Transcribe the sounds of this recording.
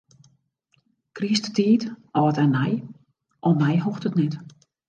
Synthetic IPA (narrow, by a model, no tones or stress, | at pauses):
kristətiːtɔːətɛnɛj | ʔɔmɛjɦoxtətnɛt